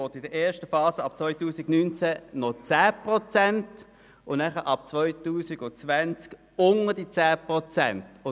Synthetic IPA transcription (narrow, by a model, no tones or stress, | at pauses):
oːtɪdəʔɛːɐʃtəfɑːsəɑp̚t͡svɔʏtuːsɪɡnynt͡sænɔt͡sæːpʁɔt͡sænt | ʊnæχəʔɑpt͡sʋɔʏtuːsiɡʊt͡sʋænt͡sk | ʊŋəd̥it͡sæːpʁɔt͡sɛntʊ